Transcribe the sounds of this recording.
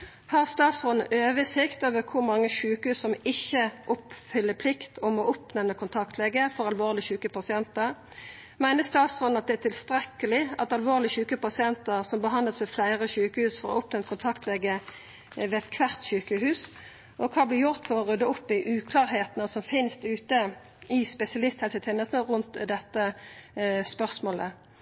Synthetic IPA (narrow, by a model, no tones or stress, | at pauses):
hɑʁst̪ɑːt̪sʁɔnn̩ʔøːʋəsɪkt̪oːʋəkʰʊʁmɑŋːəʃʉːkəhʉːssɔmɪçːəʔʊpfʏlːəpʰlɪkt̪ɔmɔʔʊpnɛmnəkʰʊnt̪ʰɑkt̪ʰleːɡəfɔɾʁɑlʋoːʁlɪçʉːkəpɑsɪɛnt̪əʁ | mæɪnəst̪ɑːt̪sʁɔd̪n̩ɑt̪̚d̪ɛæt̪ʰɪlst̪ʁɛkəlɪɑt̪ɑlʋoːʁlɪçʉːkəpɑsɪɛnt̪əʁsɔmbəɦɑnd̪əsɛflæɪʁəçʉːkəhʉːsfɔʁɔ̰ɔpnɛnt̪̚kʰʊnt̪ʰɑkt̪ʰlɛːɡə | ʋeːɛt̪kʰʋæʁt̪ɕʉːkəhʉːs | ʔɔkʰɑːblɪjʊʁt̪fɔʁɔʁʉd̪ːəʊpːɪʔʉːkʰlɑːʁɦeːt̪nəsɔmfɪnst̪ʉːt̪ə | ɪspɛsɪɑlɪst̪hɛlsət̪ʰeːnəlsnəʁʉnt̪d̪ɛt̪ːə | spœʁsmoːlə̰